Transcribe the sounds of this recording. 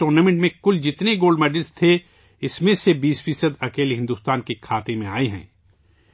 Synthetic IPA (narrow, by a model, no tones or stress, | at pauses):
ʈoːɾnaːmẽɳʈmẽkʊld͡ʒɪt̪neɡoːlɖmɛːɖəlst̪ʰe | ɪsmẽsebiːsfiːsəd̪ɐkeːlɦɪ̃nd̪uːst̪aːnkikʰaːt̪emẽa̰ːeɦɛ̰̃ː